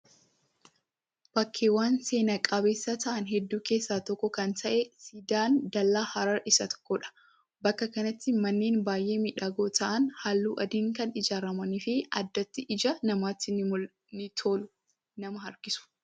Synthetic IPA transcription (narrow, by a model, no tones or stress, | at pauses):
b̥ɐkʰːeːwaːnse̞ːnɐkʼɐbe̞ːsːɐt̪ɐʔɐnɦɛd̪ːuːke̞ːsːaːt̪ɔkːɔkɐnt̪ʰɐʔɛsid̪aːnd̪ɐlːaːhɐɾɐɾɪsɐt̪ʰɔ̥kːɔᶑɐ̥ | bɐkːɐkɐnɐt̪ːɪmɐnːeːnbaːjʔe̞ːmiᶑaːɡoːt̪ɐʔɐnhaːlːuːʔɐd̪iːŋkɐnɪd͡ʒaːɾɐmɐniːfɪɐ̰d̪ːɐt̪ːɪʔɪd͡ʒɐnɐmaːt̪ːɪ | nɪt̪ʰoːlʊ | nɐmɐɦɐɾɡɪsʊ̥